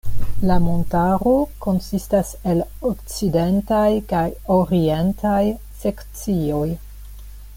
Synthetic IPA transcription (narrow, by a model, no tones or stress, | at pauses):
lamontaɾo̞ko̞nsistase̞l | okt͡side̞ntajkajoɾie̞ntʰaj | sekt͡sio̞j